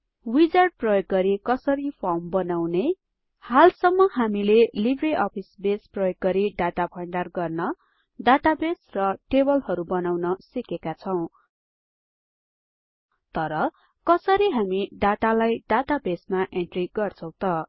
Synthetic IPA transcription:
wid͡zarɖ̚prʌjoɡ̚ɡʌɾikʌsʌɾipʰambʌnawne | halsʌmːʌɦamilelibreʔʌpʰisbesprʌjoɡ̚ɡːʌɾiɖat̪apʰʌɳɖarɡʌrnʌ | dat̪abesrʌʈebʌlhʌɾubʌnawnʌsikekat͡sʰʌw̃ | t̪ʌɾʌ | kʌsʌɾiɦamiɖat̪alajɖat̪abesmaʔeɳʈriɡʌrt͡sʰʌ̃w̃t̪ʌ

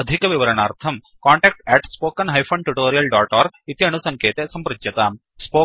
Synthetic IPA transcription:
ɐd̪ʱikɐʋiʋɐɾɐɳaːɾt̪ʰɐm | kaːɳʈɛːk̚ʈɛːʈspoːkɐnɦɐjpʰɐɳʈuʈoːɾijɐlɖaːʈaːɾit̪iɐnusɐŋkeːt̪eːsɐmpɾut͡ʃjɐt̪a | spoː

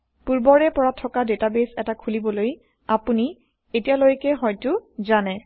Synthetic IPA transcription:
puɹbɔɹɛpɔɹatʰːɔkadetabesɛtakʰulibɔloj | apuni | etijalojkɛɦɔjtʊzanɛ

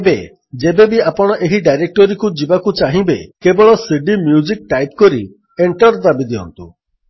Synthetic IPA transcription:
ebe | d͡ʒebebiapɔɽ̃ɔʔeɦiɖajɾek̚ʈɔɾikud͡ʒibakut͡ʃaɦĩbekebɔɭɔsiɖimjud͡ʒik̚ʈajp̚kɔɾi | eɳʈɔɾd̪abid̪iɔ̰nt̪ṵ

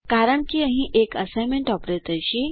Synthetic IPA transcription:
kaɾəɳkiːəɦĩʔekəsajmeɳʈɔpɾet̪əjɕiː

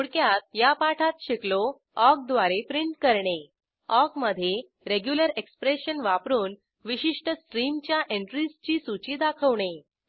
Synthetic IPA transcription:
uɽkjat̪̚japaʈʰat̪ɕeklo | ɔk̚d̪ʋaɾepɾiɳʈkəɾɳe | ɔkməd̪ʱːje | ɾeɡjuləɾekspɾeɕənʋapɾuːn | ʋiɕiʂʈəsʈɾimt͡ɕjaʔeɳʈɾist͡ɕiːsut͡ɕiːd̪akʰəʋɳ̃e

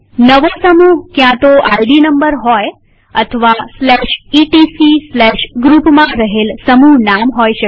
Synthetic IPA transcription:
nəʋosəmuːɦkjãt̪oʔajɖinəmbəɾɦɔj | ət̪ʰəʋaslɛʃiʈisislɛʃɡɾupmãɾəɦelsəmuːɦnamɦojɕə

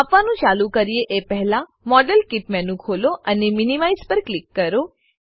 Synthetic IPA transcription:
apʋanũt͡ʃalũkəɾieʔepɛɦlã | mɔɖəlkiʈ̚mɛnũkʰoloʔəneminimaizpəɾklikːəɾo

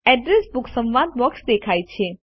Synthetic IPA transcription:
ɛɖɾesbʊksə̃mʋad̪̚ʋəksd̪ekʰajt͡ʃʰe

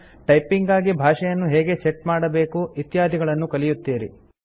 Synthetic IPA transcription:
ʈɐjpiŋɡaːɡibʱaːʂɐjɐnːuɦeːɡe̞seʈmaːɽɐbe̞ːkuit̪jaːd̪ʱiɡɐɭɐnːukɐlijut̪ːiːɾḭ

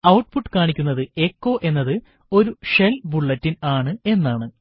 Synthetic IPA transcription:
ɐwʈpʰuʈːɨ̥kaːɳikʲːunːɐðɨe̞kːo̞ːʔe̞nːɐðɨ | o̞ɾuʂelbuɭːɐtːinaːɳɨe̞nːaːɳɨ

